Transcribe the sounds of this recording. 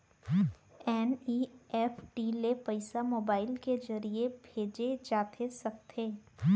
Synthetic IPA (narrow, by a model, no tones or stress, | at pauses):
ɛːniːɛːfʈiːlepɐɪsamoːbaːɪlked͡ʒɐɾiebʱeːd͡ʒed͡ʒaːt̪ʰesɐk̚t̪ʰeː